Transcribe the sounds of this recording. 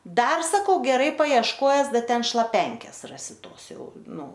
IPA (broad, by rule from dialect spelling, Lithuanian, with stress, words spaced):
ˈdɐr sɐˈkɐʊ ɡʲɛˈrɐɪ pɐɪɛʃˈkoːjɛs ˈdɐ ˈtʲɛn ʃlˠɐˈpʲɛŋʲkʲeːs ˈrɑːsʲɪ ˈtoːs ˈjɛʊ ˈnʊ